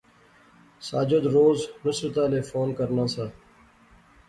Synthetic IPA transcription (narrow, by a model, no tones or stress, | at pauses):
saːd͡ʒod̪ɾoːznʊsbət̪aːleːfoːnkəɾnãːsaː